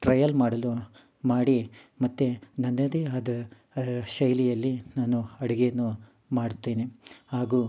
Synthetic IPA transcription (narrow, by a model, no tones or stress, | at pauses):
ʈɾɐjɐlmaːɽɐlu | maːɽi | mɐt̪ːenɐnːɐd̪ead̪ɐ | ʃɐjlijɐlːinaːnuɐɽiɡejɐnːu | maːɽut̪ːeːnihaːɡuː